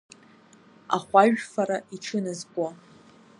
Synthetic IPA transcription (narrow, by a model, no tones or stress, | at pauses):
a̰χʷaʒᶣfaɾaiʈ͡ʂʰɨnazkʷʼa